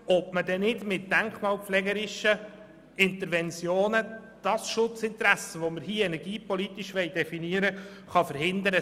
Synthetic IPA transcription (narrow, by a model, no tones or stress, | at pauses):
ɔbmədɛnɪdmɪt̚d̥æŋkmɑːlpflɛɡəɾɪʃə | ɪnt̪əɾvɛnt͡sjoːnəd̥ɑsʃʊt͡sɪnt̪ɾæsəʋoməɾhiːɛnɛɾɡiːpɔlit̪iʃʋɛɪdɛfiniəɾəχɑfəɾhɪnd̪əɾə